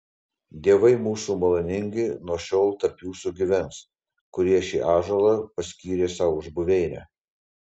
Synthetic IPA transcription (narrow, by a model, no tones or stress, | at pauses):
d̪ʲiɛʋɐɪmuːsuːmɐlˠɐnʲɪŋʲɡʲɪnuɔʃʲɔʊlˠt̪ɐɾpjuːsuɡʲɪʋʲɛns | kʊɾʲiɛʃʲḭːʔɑːʒɐlˠɐpɐsʲkʲiːɾʲeːsɑʋʊʒbʊʋʲɛɪnʲæ̰